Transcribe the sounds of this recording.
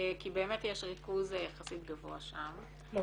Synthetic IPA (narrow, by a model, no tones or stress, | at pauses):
kibeːmetjeʃʁikuzjaχasitɡavoaʃam